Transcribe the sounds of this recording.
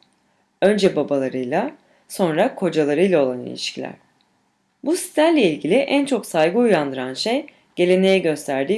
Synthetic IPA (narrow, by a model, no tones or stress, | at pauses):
ø̞nd͡ʒɛbabalˠaɾɯjlˠa | so̞nɾakʰo̞d͡ʒalˠaɾɯjlˠao̞lˠanḭlʲḭʃcʰilʲæ̰ɾ̥ | busi̥t̪æɾlʲɛilʲɟilʲiʔænt͡ʃʰo̞ksajɡɯujand̪ɯɾanʃej | ɟ̥e̞lʲe̞nejɛɟø̞st̪ʰæɾd̪iː